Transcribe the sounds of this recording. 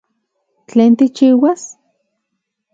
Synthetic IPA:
t͡ɬeːnt̪it͡ʃiːwas

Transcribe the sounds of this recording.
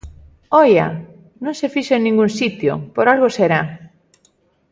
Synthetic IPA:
ɔja̰ | nõŋsefiʃoeŋnĩŋɡunsit̪jo̰poɾalɣoseɾa

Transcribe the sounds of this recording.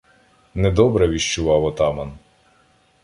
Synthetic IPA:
nɛd̪ɔbɾɛʋʲiʃt͡ʃʊʋɑwɔt̪ɑmɐn

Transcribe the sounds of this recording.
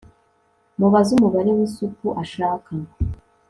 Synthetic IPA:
muβazumuβaɾewiːsupuʔaʃaːkʰaŋo

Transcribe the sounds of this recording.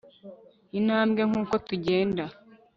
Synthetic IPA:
inaːmɡe̞ŋ̥uːko̞tuɟeːnda

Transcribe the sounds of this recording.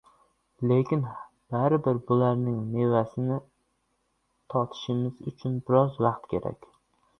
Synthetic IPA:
le̞kʲɪn | b̥aɾɪbɪɾbʊlaɾnɪŋne̞vasɪnɪ | t̪ʰɒt̪ʰɪ̥ʃɪmɪzʊt͡ʃʰʊnbɪɾɒzvaɑqt̪kʲʰe̞̰ɾa̰kʲ

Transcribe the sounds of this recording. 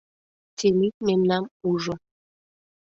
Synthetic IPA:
tʰelik̚mɛmnamuʒɔ

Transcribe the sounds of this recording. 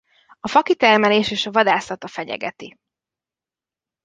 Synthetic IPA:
ɒfɒkit̪ɛrmɛleːʃeːʃɒvɒd̪aːsɒt̪ɒfɛɟɛ̰ɡɛ̰t̪i

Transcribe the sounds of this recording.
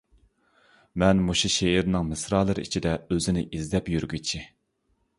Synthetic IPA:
mɛnmuʃiʃeiɾnɨŋmɪsɾɑːlˠɨɾɨḭt͡ʃʰid̪ɛøzɪnɪʔizd̪ɛpjyɾɡʲyt͡ʃʰi

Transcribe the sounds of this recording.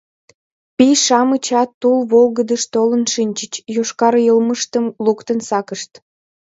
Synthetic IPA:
piʃɑmət͡ɕɑt̪ːulβolɣəd̪əʃt̪olənʃinʲt͡ɕət͡ɕjoʃkɑɾjəlməʃt̪əmlukt̪ənsɑkəʃt̪

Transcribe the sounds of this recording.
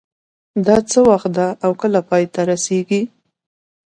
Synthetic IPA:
d̪ɑt͡səwaxt̪̚d̪aʔawkəlapɑjt̪aɾaseɡi

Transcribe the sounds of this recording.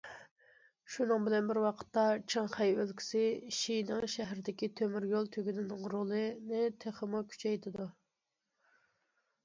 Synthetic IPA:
ʃunɨŋbɪlɛnbɪɾwɑqʰə̥t̪ːɑt͡ʃʰɪŋχæjølkʲʰi̥sɪʃijnɪŋʃɛɦɾɪd̪ɪkʲit̪ʰømyɾjolˠt̪ʰøɡʲynɪnɪŋɾolˠɨnɪt̪ʰeχəmukʲʰy̥t͡ʃʰɛjt̪ʰɪd̪u

